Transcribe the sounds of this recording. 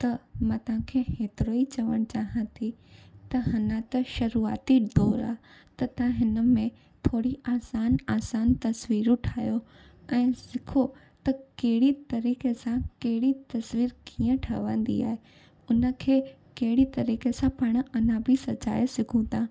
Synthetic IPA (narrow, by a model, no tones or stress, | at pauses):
t̪ɐmãːt̪ɐʋ̤ãkʰeːɦeːt̪ɪɾoːit͡ɕɐʋəɽ̃t͡ɕaːɦə̃t̪ʰit̪ɐɦɐnə̃t̪ɐʃɐɾuːa̰ːt̪id̪ɔːɾa̰ːt̪ɐt̪ɐãɦɪnə̆mẽ | t̪ʰoːɽiaːsaːnaːsaːnt̪ɐsʋiːɾʊʈʰaːjo | ɛ̃ːsɪkʰo | t̪ɐkɐɦɪɽit̪ɐɾiːkesãkɐɦɪɽit̪ɐsʋiːɾkiːə̃ʈʰɐ̰ʋə̃ːn̆d̪ḭa̰ːɦe | ʊnə̆kʰeː | kɐɦɪɽit̪ɐɾiːkesãpɐɽ̃ɐnãbʱisɐt͡ɕa̰ːjesɪɡʰʱũd̪ãː